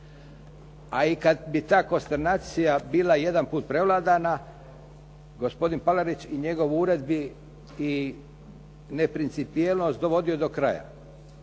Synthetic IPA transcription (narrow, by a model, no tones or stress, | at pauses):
aikad̪bit̪aːko̞nst̪eɾnaːt̪sijabiːlˠaje̞d̪anpuːt̪pɾe̞ʋlˠaːd̪ana | ɡo̞spo̞d̪inpalaɾit͡ɕiɲe̞ɡo̞ʋuɾe̞d̪biː | ne̞pɾint̪sipijelˠno̞st̪d̪o̞ʋo̞d̪io̞d̪o̞kɾa̰ja̰